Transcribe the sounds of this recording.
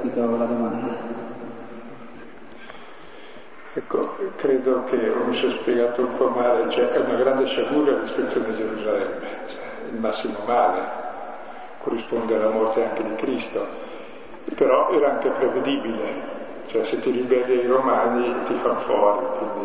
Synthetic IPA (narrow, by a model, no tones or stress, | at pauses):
it̪ɔvalad̪omand̪a | ɛkːo̰kɾeːd̪okʰeomisiɔspjeɡaːt̪oumpɔmaːlet͡ʃoɛʔɛunaɡɾand̪eʃaɡuːɾaalist̪ɾit̪sjoːned̪id͡ʒeɾuzalɛmːet͡ʃɛ | ilmasːimomaːle | kʰorːispond̪ealːamɔrt̪eaŋked̪ikɾist̪o | pːeɾɔʔɛːɾaaŋkepɾeved̪iːbile | t͡ʃoɛset̪ːiɾibɛlːiaiɾomaːnit̪ifanofɔːɾikwind̪i